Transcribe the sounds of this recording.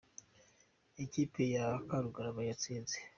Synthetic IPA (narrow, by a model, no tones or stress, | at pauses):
e̞ciːpejakaɾuɡaɾaβaɲat͡siːnze